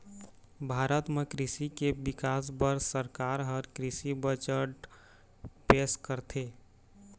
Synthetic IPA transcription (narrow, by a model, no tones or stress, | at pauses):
bʱaːɾət̪mekɾisikebɪkaːsbəɾsəɾkaɾɦəɾkɾisibət͡ʃəɾɖ | peːskəɾt̪ʰeː